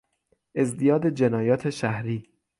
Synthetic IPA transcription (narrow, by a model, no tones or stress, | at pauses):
ʔe̞zd̪ijɒːd̪ed͡ʒenɒːjɒːt̪ʰeʃæhɾiː